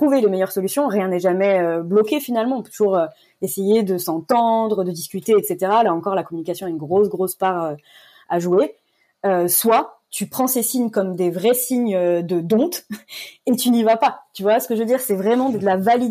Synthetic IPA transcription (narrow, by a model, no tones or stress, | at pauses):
t̪χuvelemejœʁsɔlysjɔ̃ʁjɛ̃nɛʒamɛøblɔkʲefinalmɑ̃ɔ̃pøt̪uʒuʁø | esejed̪əsɑ̃t̪ɑ̃d̪ʁəd̪əd̪iskʲyt̪eɛt̪set̪eʁalaɑ̃kɔʁlakɔmynikasjɔ̃aynɡʁosɡʁospaʁø | aʒue | øswa | t̪ʰypχɑ̃sesiɲkɔmd̪evʁɛsiɲød̪əd̪ɔ̃t̪et̪ynivapat̪yvwasə̥kəʒvəd̪iʁsɛvʁɛmɑ̃d̪d̪əlavali